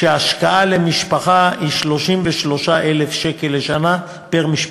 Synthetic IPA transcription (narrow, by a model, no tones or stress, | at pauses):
eaʃkaʔalemiʃpaχaiʃlo̞ʃimveʃlo̞ʃaʔelefʃekelːeʃana | peʁmiʃ